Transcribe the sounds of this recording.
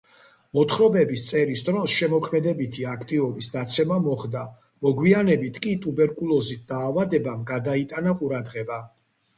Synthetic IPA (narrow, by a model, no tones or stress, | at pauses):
mɔt̪ʰχɾɔbɛbist̪sʼɛɾisd̪ɾɔsʃɛmɔkʰmɛd̪ɛbit̪ʰiakʰt̪ʼivɔbisd̪at̪sʰɛmamɔχd̪a | mɔɡwianɛbit̪ʰkʼit̪ʼubɛɾkʼulˠɔzit̪̚ʰd̪̥aːvad̪ɛbamɡad̪ait̪ʼanaqʼuɾad̪ʁɛba